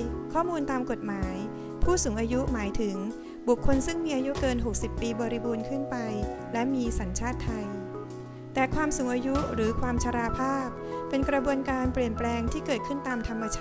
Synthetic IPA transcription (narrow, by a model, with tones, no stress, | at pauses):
kʰɔː˥˩muː˧nt̪aː˧mko˨˩t̪̚maː˩˦j | pʰuː˥˩suː˩˦ŋʔaː˧ju˦˥maː˩˦jt̪ʰɯ˩˦ŋ | bu˨˩kʰːo˧nsɯ˥˩ŋmiː˧ʔaː˧ju˦˥kɤː˧nɦo˨˩k̚si˨˩pːiː˧bɔː˧ɾi˦˥buː˧nkʰɯ˥˩npa˧j | lɛ˦˥miː˧sa˩˦nt͡ɕʰaː˥˩t̪ʰːa˧j | t̪ɛː˨˩kʰwaː˧msuː˩˦ŋʔaː˧ju˦˥ɾɯː˩˦kʰwaː˧mt͡ɕʰa˧ɾaː˧pʰaː˥˩p̚pe˧nkɾa˧bu˧ənkaː˧npɾi˨˩ənplɛː˧ŋt̪ʰiː˥˩kɤː˨˩t̪̚kʰɯ˥˩nt̪aː˧mt̪ʰa˧mːa˧t͡ɕʰaː˥˩